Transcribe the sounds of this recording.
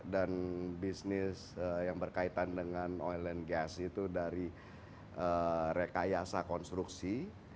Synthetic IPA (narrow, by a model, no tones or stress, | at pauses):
danbisnɪsəjaŋbərkait̪andəŋanɔjlənɡasit̪udaɾi | ʔəɾekajasakɔnst̪ɾuksi